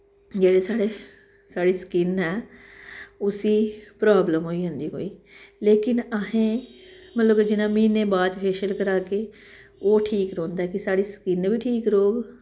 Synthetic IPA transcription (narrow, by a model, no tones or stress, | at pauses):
d͡ʒeːɽeːsaːɽeː | saːɽiːskɪnɛː | ʊsiːpɾaːbləmɦoːiːɦʊ̃nd̪iːɦo̰ːiː | leːkɪnəɦẽːmət̪ləbd͡ʒɪnãːmĩːneːbaːd͡ʒpʰɛːʃəlkəɾaːkeː | oːʈʰiːkɾõːnd̪aɛːkɪsaːɽiːsə̥kɪnʋiːʈʰiːkɾoːɡ